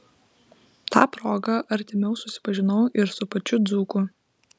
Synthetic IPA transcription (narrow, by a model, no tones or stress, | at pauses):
t̪ɑ̰ːpɾoːɡɐʔɐɾʲt̪ʲɪmʲɛʊsʊsʲɪ̥pɐʒʲɪnɐʊʔɪɾsʊpɐt͡ʃʲʊd̪zuːkʊ